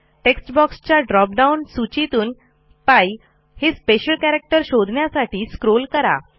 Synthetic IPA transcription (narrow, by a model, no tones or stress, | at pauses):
ʈeksʈbɔkst͡ɕjaɖɾɔp̚ɖaunsut͡ɕit̪uːn | paj | hespeɕəlkæɾək̚ʈəɾɕod̪ʱɳjasaʈiːskɾolkəɾa̰